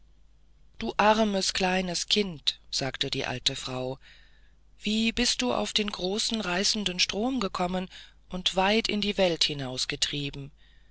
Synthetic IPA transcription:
d̥uːʔaʁməskl̥aɪnəskʰɪntz̥aːktədiːʔa̰ltəfʁ̥aʊ | v̥iːbɪst̚d̥uːʔa̰ʊfd̥eːnɡʁoːsn̩ʁaɪsn̩dənʃtʁ̥oːmɡəkʰɔmən | ʔʊntv̥aɪtɪ̰ndiːvɛlthɪnaʊsɡ̥ətʁ̥iːbm̩

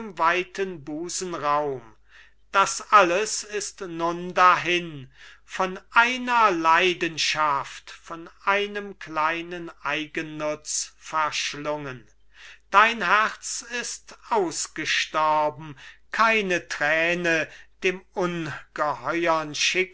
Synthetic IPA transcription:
mvaɪtənbuːzn̩ʁaʊm | d̥asʔaləsɪstnʊndaɦɪnfɔnʔaɪnɐlaɪdənʃaftfɔnʔaɪnəmklaɪnənʔaɪɡənːʊt͡sfɛɐʃlʊŋən | d̥aɪnɦɛʁt͡sɪstʔaʊsɡ̥əʃtɔɐbm̩kʰaɪnətʁ̥ɛːnəd̥eːmʔʊnɡ̥əhɔʏɐnʃɪk

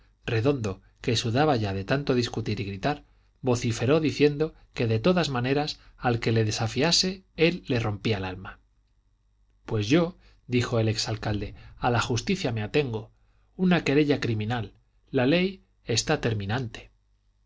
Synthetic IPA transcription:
re̞ðo̞nd̪o̞ | ke̞suðaβaʝaðe̞t̪ant̪o̞ðiskut̪iɾiɣɾit̪aɾ | βo̞θife̞ɾo̞ðiθje̞nd̪o̞ | ke̞ðe̞t̪o̞ðazmane̞ɾasalke̞le̞ðe̞safiase̞e̞lːe̞ro̞mpialalma | pwe̞zʝo̞ | d̪ixo̞e̞le̞ksalkald̪e̞alaxust̪iθjameat̪e̞ŋɡo̞ | unake̞ɾe̞ʎakɾimĩnalː | ale̞j | e̞st̪at̪e̞ɾmĩnant̪e

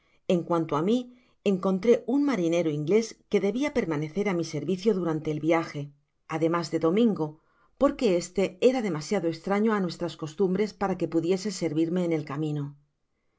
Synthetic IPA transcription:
e̞ŋkwant̪oami | eŋko̞nt̪ɾe̞unmaɾine̞ɾoiŋɡle̞ske̞ðe̞βiape̞ɾmane̞θe̞ɾamise̞ɾβiθjo̞ðuɾant̪e̞ːlβjaxe̞ | aðe̞mazðe̞ðo̞mĩŋɡo̞ | po̞ɾke̞e̞st̪e̞e̞ɾaðe̞masjaðoekst̪ɾaɲo̞anwe̞st̪ɾasko̞st̪umbɾe̞spaɾake̞puðje̞se̞se̞ɾβiɾme̞ːne̞lkamĩno

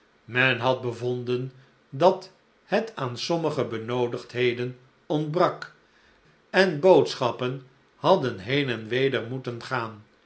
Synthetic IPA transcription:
mɛnɦɑd̚bəvɔndən | dɑt | hɛtʰaːnsɔməχəbənowdəχtɦejdən | ɔndbrɑk | ɛnbowtsχɑpən | hɑdənɦejnɛnʋejdəɹmutənχaːn

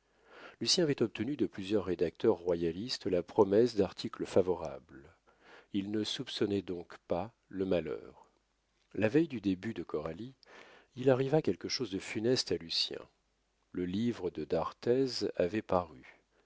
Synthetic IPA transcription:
lysjɛ̃avɛt̪ɔp̚t̪ənyd̪əplyzjœʁːed̪ak̚t̪ʰœʁːwajalist̪lapχɔmɛsd̪aʁt̪ʰikləfavɔʁa̰bl | ilnəsupsɔnɛd̪ɔ̃kpa | ləmalœ̰ːʁ | lavɛjd̪yd̪ebyd̪əkɔʁaliilaʁivakʲɛlkəʃozd̪əfynɛst̪alysjɛ̰̃ | ləlivʁəd̪əd̪aʁt̪ɛzavɛpaʁy

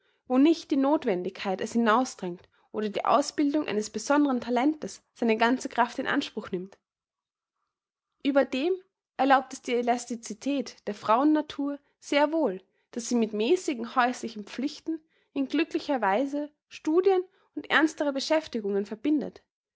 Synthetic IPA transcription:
voːnɪçt̚d̥iːnoːtv̥ɛndɪçkʰːaɪtɛshɪnaʊsd̥ʁɛŋt | ʔoːɾɐdḭːʔa̰ʊsb̥ɪldʊŋʔa̰ɪnəsb̥əzɔndəʁəntʰalɛntəsz̥aɪnəɡant͡səkʁ̥aftɪnʔa̰nʃpʁ̥ʊxnɪmt | ʔyːbɐdeːm | ʔɛɐlaʊp̚tɛsd̥iːelastit͡sitʰɛːtd̥eːɐfʁ̥aʊənːatʰuːɐ | z̥eːɐvoːl | d̥asz̥iːmɪtmɛːsɪɡŋ̩hɔʏslɪçn̩pp͡flɪçtn̩ | ɪnɡlʏklɪçɐvaɪzə | ʃtuːdjən | ʊntʔɛɐnstəʁəbəʃɛftɪɡʊŋənfɛɐbɪndə̰t

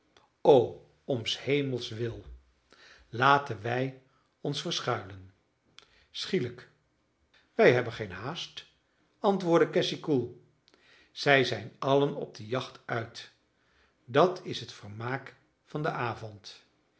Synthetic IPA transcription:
ow | ɔnshejməlˠsʋɪlˠ | laːtənʋɛj | ɔnsfəɹsχœɥlən | sχilək | ʋɛjɦɛbənχejnɦaːst | ɑntʋʊːɹdəkɛsikulˠ | z̥ɛjzɛjnɑlənɔ̰b̚dəjɑχtʰœɥt | dɑtʰɪsɦətfəɹmaːk | fɑndəʔaːvɔnt

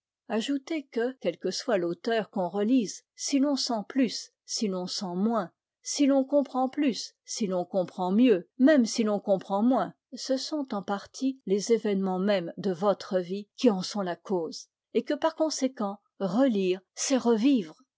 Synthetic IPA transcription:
aʒut̪ekəkʲɛlkəswalot̪œʁkɔ̃ʁəlizsilɔ̃sɑ̃plysː | ilɔ̃sɑ̃mwɛ̃ | silɔ̃kɔ̃pχɑ̃plys | silɔ̃kɔ̃pχɑ̃mjømɛmsilɔ̃kɔ̃pχɑ̃mwɛ̃ | səsɔ̃t̪ɑ̃paʁt̪ʰilezevɛnmɑ̃mɛmd̪əvɔt̪χəvikʲiɑ̃sɔ̃lakoːz̥ | ekəpaʁkɔ̃sekɑ̃ | ʁəliːʁsɛʁəviːvʁ

